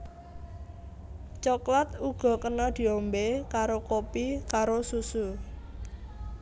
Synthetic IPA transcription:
t͡ʃoklat̪uɡ̥ɔ̤kənɔd̪̥i̤ombekaɾokopikaɾosusu

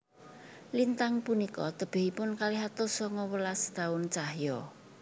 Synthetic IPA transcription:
lint̪aŋpunikɔ̰t̪əb̥ɪ̤hipʊnkaliɦat̪osɔŋɔwəlast̪aʊnt͡ʃahjɔ

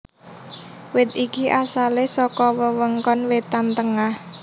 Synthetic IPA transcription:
wɪt̪̚ikiʔasalesɔkɔwəwəŋkɔnwet̪ant̪əŋah

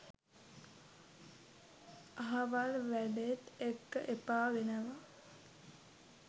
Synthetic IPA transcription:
aɦaʋalʋæɖet̪ekːəʔepaːʋenəʋa

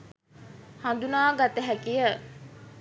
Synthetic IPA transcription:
hɐnd̪unaːɡat̪əɦækijə

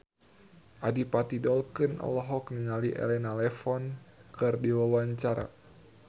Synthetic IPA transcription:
ʔadipat̪idɔlkɨnʔɔ̰lɔɦɔkniŋaliʔɛ̰lɛnalɛfɔnkɨrdiwawaɲt͡ʃaɾa̰

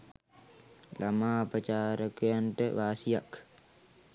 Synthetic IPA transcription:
lʔamaːpət͡ʃaːɾəkujanʈəʋaːsija̰k

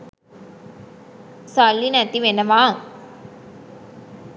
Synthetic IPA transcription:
salːinɐt̪ːiʋenɐʋaːŋ

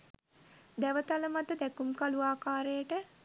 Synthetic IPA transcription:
d̪æʋət̪aləmat̪əd̪ɛkumkaluaːkaːɾejəʈə

